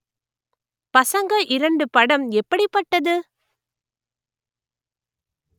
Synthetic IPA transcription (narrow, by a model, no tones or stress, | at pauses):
pɐsɐŋɡɐʔɪɾɐɳɖɯpɐɽɐmɛpːɐɽipːɐʈːɐðɯ